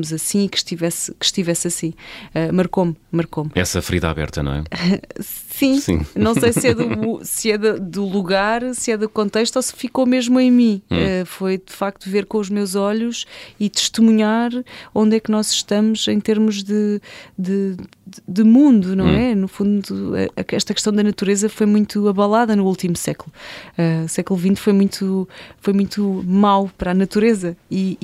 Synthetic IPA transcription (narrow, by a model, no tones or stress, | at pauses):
muzɐsĩikʃt̪ivɛskɨ̥ʃt̪ivɛsɐsĩɛmɐɾkommɐɾkomɛ̰sɐfɾiða̰βɛ̰ɾt̪ɐ̰nɐ̰̃w̃ɛ̰ | sĩsḭ̃nɐ̃w̃sejsɛðusɨɛðɐd̪ulˠuɣaɾsɛðukõnt̪ejʃt̪osfikomeʒmuẽj̃mĩɛfojd̪ɨfak̚t̪uveɾkõuʒmewzɔʎuʃit̪ɨ̥ʃt̪ɨmuɲaɾõnd̪ɛknɔzʃt̪ɐmuz̥ẽj̃t̪eɾmuʒðɨd̪ɨ | d̪ɨmũnd̪unɐ̃w̃ɛnufũnd̪uɐ̰ʔɛʃt̪ɐkɨʃt̪ɐ̃w̃d̪ɐnɐt̪uɾezɐfojmũj̃t̪uɐβɐlˠaðɐnuulˠt̪imusɛklˠuausɛklˠuvĩnt̪fojmũj̃t̪ʰufojmũj̃t̪umawpɾanɐt̪uɾezɐi